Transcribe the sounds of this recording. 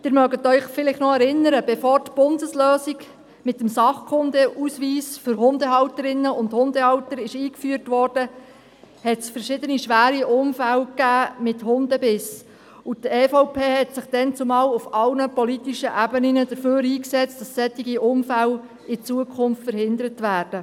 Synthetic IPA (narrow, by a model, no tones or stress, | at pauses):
d̥ɪːɾmœɡətœʏχfɪlɪχnɔɛɾɪnəɾəb̥ɛfɔːrtb̥ʊndəsløːsik | mɪt̪əmsɑχkʰʊnd̪əʔusʋiːsfʏɾɦʊnd̪əɦɑwtəɾɪnːəʊnt̪hʊnd̥əɑwtəɾɪʃiːkfyəɾtʋɔːrd̥ə | hɛtsfəɾʃɪd̪əniʃʋæːɾiʔʊmfælkæːmɪthʊndəbɪs | utɛːfoʊpʰeːhɛtsɪχd̥ɛnt͡sʊmɑːlufɑlnəpɔlit̪iʃəʔæbəninədəɾføːɾiːksɛt͡std̥ɑsːɛtːiɡiʔʊmfæl | ɪt͡suəkʰʊmftfəɾhɪndəɾətʋæːrd̥ə